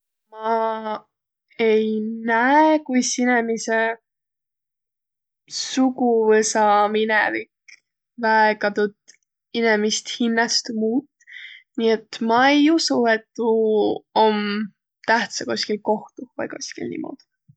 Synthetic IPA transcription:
mɑ | ejnæekujsinemise | sukuvɤsɑminɛvik | væekɑt̪ut̪ | inemist̪hinːɑst̪muːt̪ːˑ | nie̞t̪ːmɑejusuet̪ːuom | t̪æht̪sɑkusʲkilko̞ht̪uvɑ̰jkusʲkḭlnḭmʔo̰d̪̥

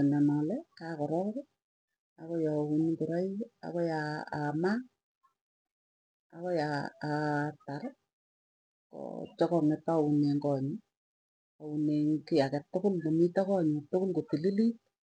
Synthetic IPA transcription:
ɛnɛnɔlɛkakɔɾɔɾ | akɔjaunkoɾaia̰kɔjaa̰ma | a̰kɔjaː | taɾ | kɔ̰t͡ʃɔkɔŋɛtauneŋkɔɲi | auneŋkɪjakɛtːʊkʊlkomitakɔɲʊtʊkʊlkotililit̚

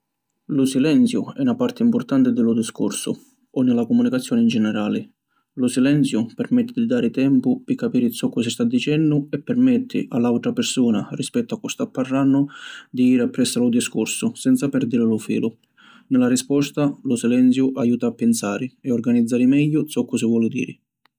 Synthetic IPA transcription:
lʊsilɛnt̪sjʊɛunapart̪ɪimpʊrt̪ant̪ɪd̪ɪlʊd̪iskṵrsʊ̰ | ɔnːɪlakʊmunikat̪sːjɔːnɪnd͡ʒɛnɛɾaːlɪ | lʊsilɛnt̪sjʊpɛrmɛt̪ːɪd̪id̪aːɾɪt̪ɛmpʊpɪkːapiːɾɪisɔkːɔsist̪ad̪ːit͡ʃɛnːʊɛpːɛrmɛt̪ʰːɪ̰ʔalːawt̪ɾapɪrsuːna̰rispɛt̪ːʊakːɔst̪apːarːanːʊd̪iiːɾapːɾɛsːalʊd̪iskʊrsʊsɛnt̪sapɛɾd̪iɾɪlʊfḭːlʊ | nɪlarispɔst̪alʊsilɛnt̪sjʊʔajuːt̪aːpːɪnsaːɾɪɛɔrɡanid̪zːaːɾɪmɛʎːʊt̪sɔkːʊsɪvwɔːlɪd̪ḭːɾɪ

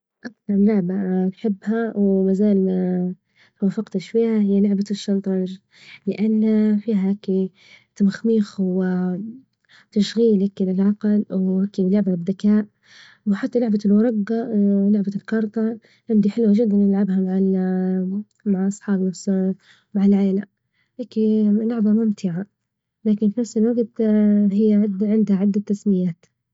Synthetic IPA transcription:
ʔakθɑɾˤlʊʕbaj̪ħɪbːhawmazaːl | t̪wafɪqt̪aʃfiːhahɪjːalʊʕbaʃːɑnt̪ˤɑɾ | lɪʔanːfiːɦahaki | t̪amaxmiːxwɪ | t̪aʃɣiːlaklɪlʕɑqlwhaːkilʊʕbabɪd̪akaːʔ | wħat̪ːalʊʕbalwɑɾˤɑɡːɑlʊʕbalkɑɾˤt̪ˤɑ | ʕɪnd̪iħɪlwad͡ʒɪd̪ːanjɪlʕabhamaʕa | maʕʔɑsˤħɑːbnafs | maʕalʕaːla | ʔakːilʊʕbamʊmt̪ʰɪʕa | laːkɪnfinafsɪlwaɡt̪hɪjːadʕɪnd̪haʕɪd̪ːat̪ːasmɪjaːt̪

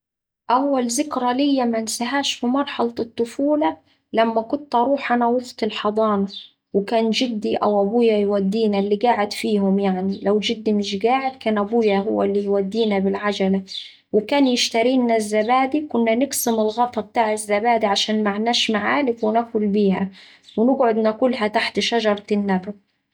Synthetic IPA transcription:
ʔawːælzɪkɾɑlɪjːamansaɦaːʃfimɑɾˤħɑlɑɨt̪ˤːʊfuːlɑ | læmːækʊnt̪ʔɑɾˤuːħʔanæwʊft̪ɪlħɑd̪ˤɑːnɑ | wɪkaːnd͡ʒɪd̪ːiʔawʔæbuːjajwad̪ːiːnalːiːɡaːʕɪd̪fiːhʊmjaʕnilawd͡ʒɪd̪ːimɪʃɡaːʕɪd̪kæːnʔæbuːjahʊ̰wːalːijwad̪ːiːnabɪlʕad͡ʒala | wɪkaːnjɪʃt̪aɾiːnːazːabaːd̪ikʊnːanɪksɪmɪlɣɑt̪ˤɑb̚t̪aːʕɪzːabaːd̪iʕaʃaːnmaʕnæːʃmaʕaːlɪkwɪnakʊlbiːhæ | wɪnɪɡʕʊd̪nakʊlːɦæt̪aħt̪ʃaʒɑɾˤɑnːab

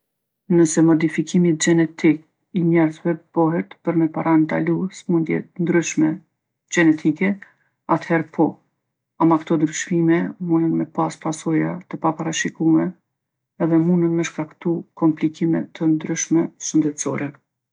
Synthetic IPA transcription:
nəsɛmɔd̪ifikimit̪̚d͡ʒɛnɛt̪ik̚ | iɲɛɾzvɛb̥ɔɦɛt̪pəɾmɛpaɾant̪a̰lusmund̪jɛ̰t̪nd̪ɾyʃmɛ | d͡ʒɛnɛt̪ʰikɛ | at̪hɛɾpʰɔ | amakt̪ɔnd̪ɾyʃmimɛmunənmɛpaspasɔjat̪əpapaɾaʃikumɛ | ɛðɛmunənmɛʃkakt̪ukɔmplikimɛ̰t̪ʰːənd̪ɾyʃmɛʃənd̪ɛt̪sɔ̰ɾɛ

